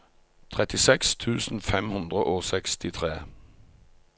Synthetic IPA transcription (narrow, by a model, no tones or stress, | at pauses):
t̪ʰʁɛt̪ɪsɛkst̪ʰʉːsn̩fɛmhʉnd̪ʁəʔoːsɛkst̪ɪt̪ʰʁeː